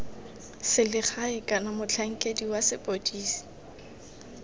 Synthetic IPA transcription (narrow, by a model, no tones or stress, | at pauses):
sɪlɪχaɪkʼanamʊt͡ɬʰaŋ̩kʼediwasɪpʼodiːsi̥